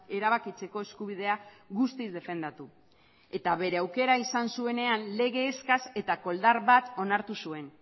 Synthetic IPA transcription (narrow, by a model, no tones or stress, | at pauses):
e̞ɾaβ̞akit͡se̞ko̞e̞skuβ̞ið̞e̞aɣust̪izd̪e̞fe̞nd̪at̪u | e̞t̪aβe̞ɾe̞awke̞ɾaisansue̞ne̞anle̞ɣe̞ːskase̞t̪ako̞ld̪aɾβat̪o̞naɾt̪usue̞n